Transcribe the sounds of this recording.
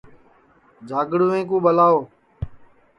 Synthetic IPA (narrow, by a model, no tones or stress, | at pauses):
d͡ʒʱaːɡɽuːẽːk̬ũːɓəlaːoː